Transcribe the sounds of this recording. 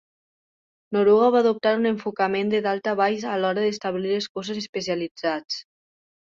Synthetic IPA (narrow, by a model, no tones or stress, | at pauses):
noɾuɣaβaðup̚t̪aɾuneɱfukəmend̪eðalˠt̪aβajzalɔɾəðest̪aβlileskɔzezespesialid͡zat͡s